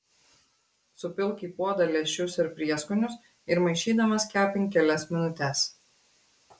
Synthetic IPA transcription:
sʊpʲɪlˠʲˑkʲiːpuɔd̪ɐlʲɛʃʲʊsɪɾpʲɾʲiɛskʊnʲʊs | ɪɾmɐɪʃʲiːd̪ɐmɐskʲæːpʲɪŋʲkʲɛlʲɛsmʲɪnʊt̪ʲɛs

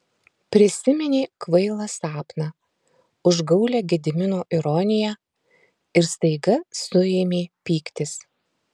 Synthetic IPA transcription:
pʲɾʲɪsʲɪmʲɛnʲeːkʋɐɪlˠɐsɑːpnɐ | ʊʒɡɐʊlʲɛɡʲɛd̪ʲɪmʲɪnoːʔɪɾɔnʲɪjæː | ɪɾst̪ɐɪɡɐsʊeːmʲeːpʲiːkt̪ʲɪs

